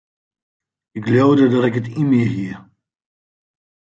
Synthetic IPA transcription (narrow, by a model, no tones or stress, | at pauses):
ɪkljowdədɔtɪkətimɪɦiə